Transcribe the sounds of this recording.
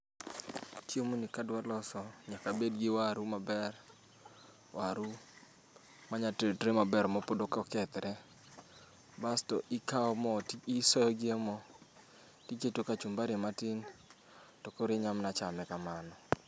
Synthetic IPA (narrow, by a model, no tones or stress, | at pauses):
t͡ʃjemonikadwalɔsɔɲakabedɡɪwaɾumabɛr | wʔaɾu | maɲatedɾemabɛɾmɔpodokɔkɛt̪ɾɛ | bastɔʔɪkaɔmɔtisɔjɔɡɪemɔ | tiketokat͡ʃumbaɾematɪn | tɔkoɾɪɲamnat͡ʃamɛkamanɔ